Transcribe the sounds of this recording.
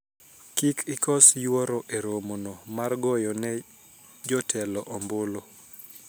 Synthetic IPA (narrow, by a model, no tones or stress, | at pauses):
kikʰɪkʰɔsjwɔɾoʔeɾomonomarɡɔjɔnɛ | d͡ʒɔtʰɛlɔʔɔmbolo